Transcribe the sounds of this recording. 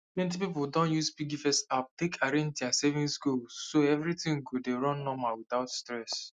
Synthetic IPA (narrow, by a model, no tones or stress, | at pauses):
mɛ̃nt̬ipipʊldɔ̃njuspiɡifɛstap̚tekʰaɾɛ̃ntiãsevĩnsɡulːoɛvɾitĩŋɡodeɹɔ̃nːɔmawit̪aʊtstɹɛs